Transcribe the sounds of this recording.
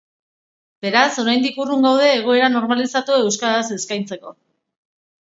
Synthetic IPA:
b̥e̞ɾaso̞ɾajnd̪ikuruŋɡawð̞e̞ːɣ̞o̞e̞ɾano̞ɾmalisat̪ue̞wskaðase̞skajnt͡se̞ko̞̰

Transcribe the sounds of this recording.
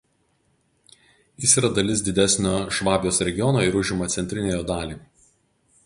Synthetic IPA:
jɪsiːɾɐd̪ɐlʲɪsd̪ʲɪd̪ʲæsʲnʲoːʃʋɑːbʲjoːsɾʲɛɡʲɪjɔnoːɪɾʊʒʲɪmɐt̪sʲɛnʲt̪ʲɾʲɪnʲeːjoːd̪ɑːlʲiː

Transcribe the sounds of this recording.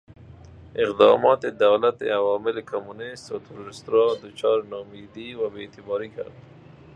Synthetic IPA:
ɪqd̪ɑ̰mɑt̪ed̪awlat̪ḛawɑmɪlekʰomunɪst̪at̪ʰʊɾuɾɪst̪ɾɑd̪ət͡ʃɑɾnɑmid̪iwabet̪ɪbɑɾika̰ɾd̪

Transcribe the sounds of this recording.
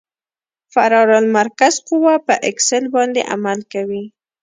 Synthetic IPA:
faɾɑɾɑlmaɾkazqʊwapəʔɪksɪlbɑnd̪ḛʔa̰malkawi

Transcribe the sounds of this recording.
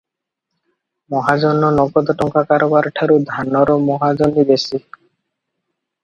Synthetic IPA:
mɔɦad͡ʒɔnɔnɔɡɔd̪ɔʈɔŋkakaɾɔbaɾʈʰaɾud̪ʱanɔɾɔmɔɦad͡ʒɔnibesi

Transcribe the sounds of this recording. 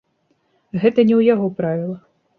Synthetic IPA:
ɣɛt̪ɐnʲɛwjaɣɔpɾavʲilˠɐ

